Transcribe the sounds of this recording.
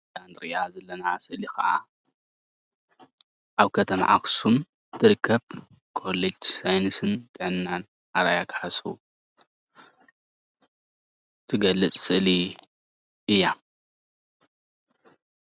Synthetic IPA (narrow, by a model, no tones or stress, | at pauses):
d͡ʒand̪ɾiazɐlːɐnaa̰sɨʔlixɐ̰ʔa̰ | ʔaβkʰɐt̪ʰɐma̰ʕa̰ksum | t̪ʰɨɾɨkʰːɐβ | kʰo̞led͡ʒsajnɨsɨnt̪ʼɨʕɨnːan | ʔaɾajakʰħasʼu | t̪ʰɨɡɐlːɨt͡sʼsʼɨʔli | ʔɨjːa